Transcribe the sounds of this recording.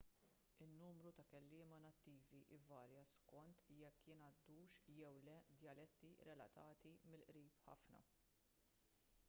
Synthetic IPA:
ɪnːuːmɾut̪ɐkɛlːɪːmɐnɐt̪ːiːviʔɪvɐːɾjɐskɔnt̪jɛkːjɪnɐd̪ːuːʃjɛwlɛd̪jɐlɛt̪ːiɾɛlɐ̰t̪ɐːt̪imɪlʔɾiːpħɐ̰fnɐ̰

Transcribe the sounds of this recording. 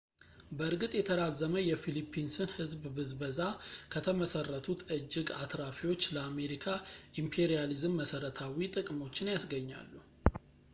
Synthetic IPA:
bəɨɾɡɨt̪ʼjɛt̪ʰəd̪azːəməjɛfilipʰːinsɨnhɨzbbɨzbəzakʰət̪ʰəməsərːət̪ʰut̪ʰɨd͡ʒːɪɡa̰t̪ɾafiwo̞t͡ʃːləame̞ɾikʰaʔimpʰeɾijalizɨmːəsəɾət̪ʰawit̪ʼɨkʼmo̞t͡ʃːɪnjasɡəɲːa̰lːu

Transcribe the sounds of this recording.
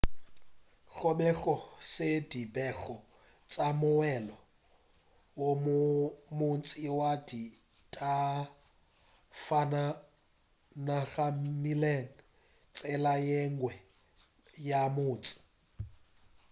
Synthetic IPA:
ɣɔɓɛɣɔsedibɛɣɔ | t͡sʼamʊwɛlɔ | wommʊnt͡sʼɪwadi | tʼa | fana | naɣamileŋ̩ | t͡sʼɛlajɛŋɡwɛ | jamʊːt͡sʼɪ̥

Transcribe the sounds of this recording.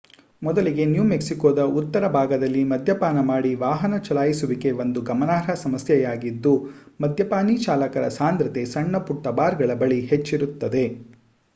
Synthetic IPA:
mɔd̪ɐliɡe̞njuːmeksikoːd̪ɐut̪ːɐɾɐbʱaːɡɐd̪ɐlːimɐd̪ʱjɐpaːnɐmaːɽiʋaːɦɐnɐt͡ʃɐlaːjisuʋike̞ʋond̪uɡɐmɐnaːɾɐsɐmɐsjɐjaːɡid̪ːu | mɐd̪ʱjɐpaːnit͡ʃaːlɐkɐɾɐ̰saːnd̪ɾɐt̪e̞sɐɳːɐpuʈːɐbaːɾɡɐɭɐbɐɭiɦet͡ʃːiɾut̪ːɐd̪e̞

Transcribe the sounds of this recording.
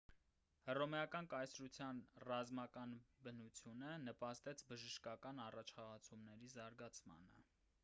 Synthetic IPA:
hərɔmɛɑkɑnkɑjsɾut͡sʰjɑnrɑzmɑkɑnbənut͡sʰjunənəpɑst̪ɛt͡sʰbəʒəʃkɑkɑnɑrɑt͡ʃʰχɑʁɑt͡sʰumnɛɾizɑɾɡɑt͡sʰmɑ̰nə̰

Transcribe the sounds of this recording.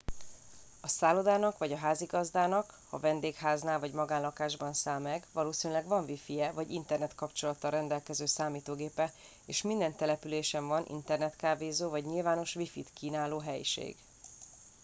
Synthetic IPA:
ɒsaːlod̪aːnɒkʋɒɟɒɦaːziɡɒzd̪aːnɒk | hɒ̰vɛnd̪eːkhaːznaːlvɒɟmɒɡaːnlɒkaːʒbɒnsaːlmɛɡvɒloːsiːnylɛɡvɒɱvifijɛvɒɟint̪ɛrnɛt̪kɒpt͡ʃo̞lɒt̪ːɒrɛnd̪ɛlkɛzøːsaːmiːt̪oːɡeːpɛ | eːʃmind̪ɛnt̪ɛlɛpyleːʃɛɱvɒnʔḭnt̪ɛrnɛt̪kaːveːzoːvɒɟɲilvaːno̞ʃʋifḭt̪kiːnaːloːɦɛjḭʃḛːɡ

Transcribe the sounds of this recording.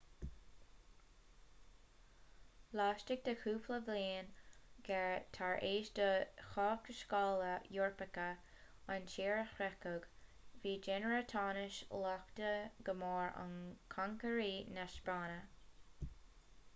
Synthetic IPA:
lɑːʃtɪɡ̚d̪əxʰuːpləvliːnɡ̥ɛt̪ʰaɹʔeːʃdəxɑːk̚təʃkɑːləjʊɹpəkə | ant͡ʃeːɹəxɾɛkʊɡviːd͡ʒɛnəɹət̪ʰɑːnɪʃlɑktəɡəmɑːɹa̰nkʰaŋkəɹiːnaʃb̥ɹɑːnə

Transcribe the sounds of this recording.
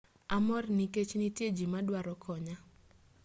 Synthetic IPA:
amɔrniket͡ʃnitjed͡ʒimadwaɾɔkʰɔɲa

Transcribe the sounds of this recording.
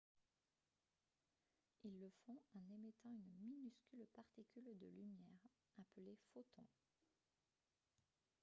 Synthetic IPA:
ilːəfɔ̃ɑ̃nemet̪ɑ̃ynminyskʲylpaʁt̪ikʲyld̪əlymjɛʁ | apəlefot̪ɔ̰̃

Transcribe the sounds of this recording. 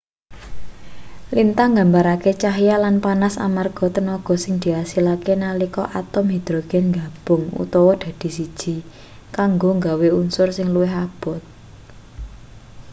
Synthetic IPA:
lint̪aŋɡambaɾaket͡ʃaɦjalanpanasa̰marɡ̥ɔ̤t̪ənɔɡ̥ɔ̤sɪŋd̪̥i̤asilakenalikɔ̰ʔat̪ɔmɦid̪̥ɾoɡ̥ɛ̤nŋɡa̤b̥ʊ̤ŋṵt̪ɔwɔd̪̥ä̤d̪̥i̤sid̥ʒ̥i̤ | kaŋɡoŋɡaweunsʊrsɪŋluwɪɦab̥ɔ̤t̪̚

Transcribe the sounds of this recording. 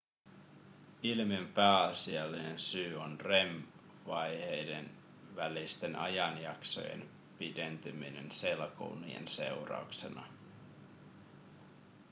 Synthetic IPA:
ilmiempæːɑsiɑlːine̞nsyːo̞nre̞m | ʋɑjhejde̞n | ʋælist̪e̞nʔɑ̰jɑnjɑkso̞̰jḛn | pide̞nt̪ymine̞nse̞lko̰unḭjḛnse̞̰wrɑ̰ukse̞̰nɑ̰

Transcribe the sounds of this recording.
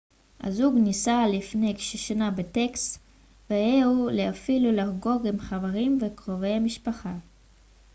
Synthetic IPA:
ʔa̰zuɡnisalifnejkʃeʃanabetekst | veeulehafilulaʁɡo̞ɡimχaveʁimvekʁove̞jhamiʃpaχa

